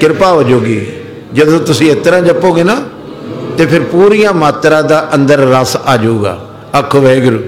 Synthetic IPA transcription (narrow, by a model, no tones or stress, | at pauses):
kɪɾpaːʋod͡ʒoːɡiː | d͡ʒəd̪õːt̪ʊsĩːɪt̪ɾãːd͡ʒəpːoːɡeːnaː | t̪eːpʰɪɾpuːɾijãːmaːt̪ɾãːd̪aːʔənd̪əɾːəsaːd͡ʒuːɡa̰ː | əkʰːʋeːɡəɾuː